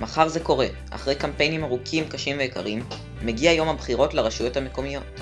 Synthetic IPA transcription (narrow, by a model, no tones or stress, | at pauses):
maχaʁze̞ko̞ʁe̞ | ʔa̰χʁe̞jkampe̞jnimaʁukʰimkaʃimveːka̰ʁimː | eɡiajo̞mhabχiʁo̞tlaʁaʃujo̞thame̞ko̞mijo̞t